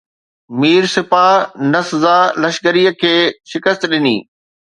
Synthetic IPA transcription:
miːɾsɪfanɐszaːlɐʃkəɾijəkʰeːʃɪkəst̪ɗɪnḭː

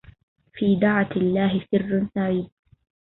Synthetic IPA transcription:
fiːd̪aʕat̪ɪlːaːɦɪsɪrːʊnsaʕiːd

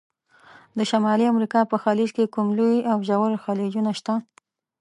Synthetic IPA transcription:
d̪əʃamɑliamɾikɑpəxɑlid͡ʒkekumlujawʒawəɾxɑled͡ʒunaʃt̪a

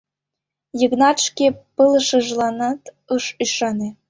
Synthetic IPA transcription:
jəɣnɑt̪ʃkepələʃə̆ʒlɑnɑt̪ | ɤʃyʃɑne

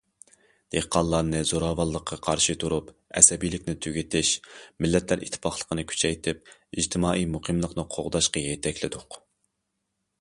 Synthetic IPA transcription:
d̪̥ehqʰɑlˠːɑnɨzoɾɑːvɑlˠːəqʰːɑqʰɑɾʃɨt̪ʰuɾupɛ̰sɛbijlɪkʲnɪt̪ʰyɡʲit̪ʰɪʃmɪlːɛt̪læɾʔḭt̪ʰːpʰɑχlˠə̥qʰənɨkʲʰy̥t͡ʃʰɛjt̪ʰɪp̚id͡ʒt̪ʰɪmɑːʔijmuqʰɨmlˠəqnɨqʰo̰ʁd̪ɑʃqɑjɛt̪ʰɛkʲʰlɪd̪ʊq

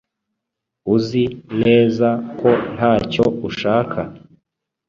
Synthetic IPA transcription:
uzine̞ːzako̞nhaːco̞uʃaːkʰa

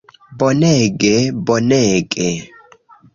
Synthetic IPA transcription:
bɔnɛɡɛbɔnɛːkʼɛ

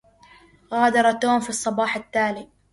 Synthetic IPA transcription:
ɣaːd̪ɑɾˤɑt̪oːmfisˤːɑbɑːħat̪ːaːli

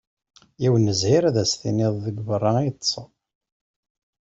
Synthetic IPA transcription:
jiwənːəzhiɾæðæsθḭnɪðˤðəɡvərˤːɑit̪ːˤsˤə

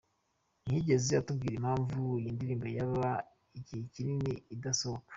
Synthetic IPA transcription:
n̥ihiɟe̞ze̞atubɡiːɾimhaːɱvuijiːndiɾiːmbejaβa | icihicininiidasohokḁ

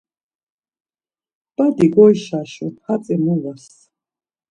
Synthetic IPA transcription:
b̥ad̪iɡɔjʃaʃɔhat͡sʼɛmuvas

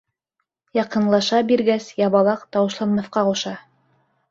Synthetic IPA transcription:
jɑqɤ̆nlˠɑʃɑbiɾɡæsjɑβɑlˠɑqt̪ɑwɤ̆ʃlˠɑnmɑθqɑquʃɑ

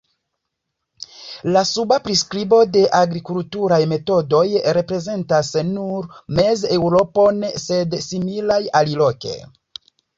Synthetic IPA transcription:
lasubapɾiskɾibo̞de̞ʔaɡɾikultuɾajme̞to̞do̞jɾe̞pɾe̞ze̞ntasnuɾme̞ze̞wɾo̞ponse̞dsimilajalilo̞ke̞̰

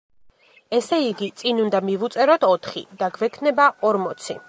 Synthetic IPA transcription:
ɛsɛiɡit̪sʼinund̪amivut̪sʼɛɾɔt̪ʰɔt̪ʰχḭd̪aɡvɛkʰnɛbaɔɾmɔt̪sʰḭ

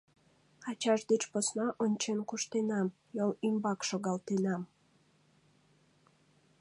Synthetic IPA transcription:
ɑt͡ɕɑʃd̪et͡ɕposnɑʔonʲt͡ɕenkuʃt̪enɑm | jolymbɑkʃoɣɑlt̪enɑm

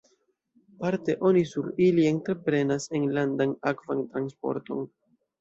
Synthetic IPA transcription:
paɾte̞ʔo̞nisuɾilie̞ntɾe̞pɾe̞nase̞nlandanakvantɾanspo̞̰ɾto̞̰n

